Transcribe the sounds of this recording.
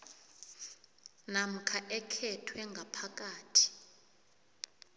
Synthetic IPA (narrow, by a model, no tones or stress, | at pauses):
nam̩kʰaʔɛkʰɛtʰwɛŋɡʱapʰak̬ʼaːtʰi̥